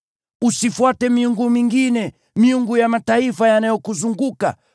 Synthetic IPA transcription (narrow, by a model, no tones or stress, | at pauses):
usifwatɛmiuŋɡumiŋɡinɛ | miuŋɡujamataifajanajɔkuzuŋɡuka̰